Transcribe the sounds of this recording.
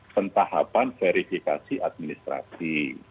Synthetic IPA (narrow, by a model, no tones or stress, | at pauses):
pənt̪aha̰panfeɾifikasiʔad̪̚minist̪ɾa̰si